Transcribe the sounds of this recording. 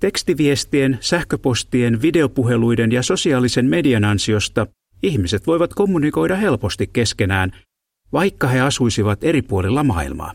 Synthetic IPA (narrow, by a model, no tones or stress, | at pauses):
t̪e̞kst̪iʋiest̪ie̞nsæhkø̞po̞st̪ie̞nʋide̞o̞puɦe̞lujde̞njɑso̞siɑːlise̞nme̞diɑnɑnsio̞st̪ɑ | ihmise̞t̪ʋo̞jʋɑt̪ko̞mːuniko̞jdɑhɦe̞lpo̞st̪ikːe̞ske̞næːn | ʋɑjkːɑhe̞ɑsujsiʋɑt̪e̞ɾipuolilːɑmɑ̰ːḭlmɑ̰ː